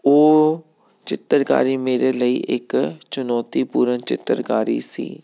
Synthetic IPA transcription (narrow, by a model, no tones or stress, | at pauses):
oː | t͡ʃɪt̪ːəɾka̰ːɾiːmeːɾeːləiːʔɪkt͡ʃʊnɔːt̪iːpuːɾənt͡ʃɪ̰t̪ːəɾkaːɾḭsḭː